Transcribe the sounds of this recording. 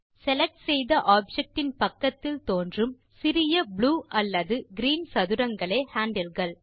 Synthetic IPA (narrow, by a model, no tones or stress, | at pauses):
sɛlɛk̚ʈsɛjðɐʔaːb̚d͡ʒɛk̚ʈɪnpɐkːɐt̪ːɪlt̪oːndrɯm | sɪɾɪjɐbɭuːʔɐlːɐðɯɡɪɾiːnsɐðɯɾɐŋɡɐɭeːhaːɳɖɐlɣɐɭ